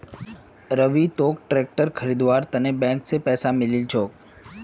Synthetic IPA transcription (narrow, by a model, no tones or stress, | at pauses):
ɾəʋit̪oːk̚ʈɾeːk̚ʈəɾkʰəɾid̪ʋaɾt̪ənebɛ̃ːŋksepɛːsamɪlilt͡ʃʰoːk̚